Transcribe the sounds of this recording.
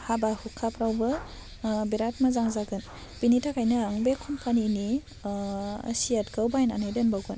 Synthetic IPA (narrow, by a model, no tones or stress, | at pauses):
habahukʰapʰɾawbɯ | biɾat̚mazaŋzaɡɯn | b̥initʰakajnɯaŋbekʰunpʰanini | sijatɡawbajnanɯjdenbawɡɯn